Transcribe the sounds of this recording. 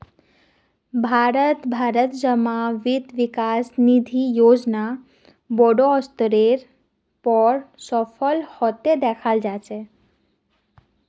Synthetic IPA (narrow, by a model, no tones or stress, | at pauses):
bʱaɾət̪bʱaɾət̪d͡ʒəmaʋid̪ʋikasnid̪ʱijod͡ʒna | bɔɖoɔst̪ɾeɾ | pəɾsɔfəlhɔt̪ed̪ɛkʰald͡ʒat͡ʃʰe